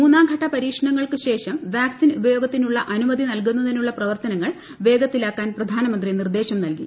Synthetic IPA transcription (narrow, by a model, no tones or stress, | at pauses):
muːnːaːmɡʱɐʈːɐpɐɾiːkʂɐɳɐŋːɐɭkɨɕe̞ːʂɐmʋjaːksinubɐjo̞ːɡɐt̪ːinuɭːɐʔɐnumɐd̪ʱinɐlk̬unːɐðinuɭːɐprɐʋɐrt̪ɐnɐŋːɐɭ | ʋe̞ːɡɐt̪ːilaːkːaːnprɐd̪ʱaːnɐmɐnd̪rinird̪e̞ːɕɐmnɐlki